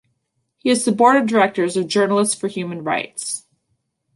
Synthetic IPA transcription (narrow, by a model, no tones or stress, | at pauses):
hiɨz̥sɨpɔɹɾɨdə˞ɛk̚tə˞zʌvd͡ʒɜ˞nl̩ˠəstsfə˞hjʉmɨ̃n̩ɹa̰ɪts